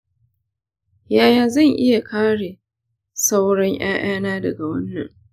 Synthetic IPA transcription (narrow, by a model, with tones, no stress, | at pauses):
jaː˦jaː˨zɐ˦˨ŋʔɪ˦ja˨kʰaː˦ɽeː˨ | sa˦wɽɐ˦ŋʔj̰aː˦ʔaː˦naː˦dɐ˨ɡa˨wɐ˦nːɐ̰˨ŋ